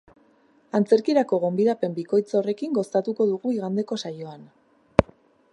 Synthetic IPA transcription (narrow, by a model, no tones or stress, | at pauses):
ant͡se̞ɾkiɾako̞ɣ̞o̞mbiðape̞mbiko̞jt͡sore̞kiŋɡo̞st̪at̪uko̞ðuɣuiɣand̪e̞ko̞sajo̞an